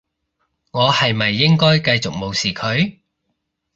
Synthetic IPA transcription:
ŋɔː˨˧hɐ˨jmɐ˨jːɪ˥ŋkɔː˥jkɐ˧jt͡sʊ˨k̚mo˨˧wsiː˨˩kʰɵ˨˧ɥ

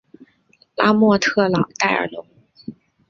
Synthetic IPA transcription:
la˥mwɔ˥˧t̪ʰɤ˥˩lɑ˨˩ʊt̪a˥˩ɪə̰˞˧˥lʊ˧˥ŋ

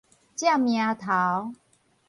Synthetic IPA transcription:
t͡ɕja˥˨mjã˧t̪ʰa˨˦w

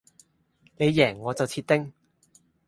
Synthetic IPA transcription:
ne˨˧jːɛː˨˩ŋːɔː˨˧t͡sɐ˨wt͡sʰiː˧t̚t̪ɪ˥ŋ

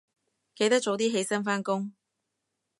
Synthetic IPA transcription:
ke˨˧jt̪ɐ˥t͡so˨˧wt̪iː˥ɦe˧jsɐ˥nfaː˥nkʊ˥ŋ

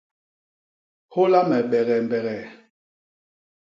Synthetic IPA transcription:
ho˦la˦mɛ˨ɓɛ˨ɣɛ˨m˨bɛ˨ɣɛ˨

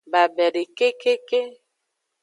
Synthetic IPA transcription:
ba˨bɛ˨ɾe˨ke˦ke˦ke˦

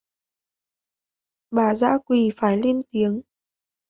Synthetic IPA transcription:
ɓaː˧˩za̰ː˧˥kwi˨˩faː˧˩jli˧ənt̪i˨˦əŋ

